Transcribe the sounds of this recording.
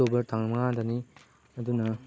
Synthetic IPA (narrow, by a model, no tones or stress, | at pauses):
obɐɾtʰaŋɐmɐŋadɐni | ɐdunɐ